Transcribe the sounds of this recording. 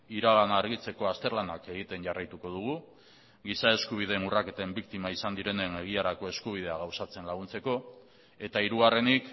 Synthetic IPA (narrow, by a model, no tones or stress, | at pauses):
iɾaɣanaːɾɣit͡se̞ko̞ast̪e̞ɾlanake̞ɣit̪e̞nʝarajt̪uko̞ð̞uɣ̞u | ɣisae̞skuβ̞ið̞e̞nurake̞t̪aembikt̪imaisand̪iɾe̞ne̞ne̞ɣ̞iaɾako̞e̞skuβ̞ið̞e̞aɣawsat͡se̞nlaɣ̞unt͡se̞ko̞ | e̞t̪aiɾuɣare̞nik